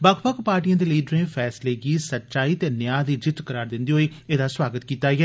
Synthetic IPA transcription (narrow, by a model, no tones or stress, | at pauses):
bəkʰpəkpaːɾʈijãːd̪eːliiːɖɾẽːfʰɛːsleːɡiːsətːʃaːiːt̪eːnjaːd̪iːd͡ʒɪt̪kəɾaːɾd̪ɪnd̪iːɦoːiːeːd̪aːswaːɡət̪kiːt̪aːiɦɛː